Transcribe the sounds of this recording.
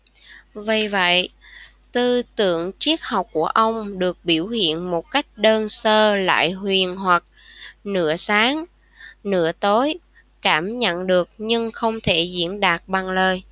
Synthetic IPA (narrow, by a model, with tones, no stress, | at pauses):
və˨˩jvə̰˧˨j | t̪ɨ˧t̪ɨ̰˧˨əŋt͡ɕi˦˥ək̚ha˨˩wk͡p̚ku˧˩əʔə˧wŋ͡mɗɨ˨˩ək̚ɓi˧˩əwhḭ˧˨ənmo˨˩t̚ka˦˥jk̟̚ɗəː˧nsəː˧la̰ː˧˨jɦwi˨˩ənɦwa˨˩k̚nɨ̰˧˥əsaː˨˦ŋ | nɨ̰˧˥ət̪o˨˦j | kaː˧˩mɲə̰˧˨nɗɨ˨˩ək̚ɲɨ˧ŋxə˧wŋ͡mt̪ʰe˧˩zḭ˧˥ənɗaː˨˩t̚ɓa˨˩ŋləː˨˩j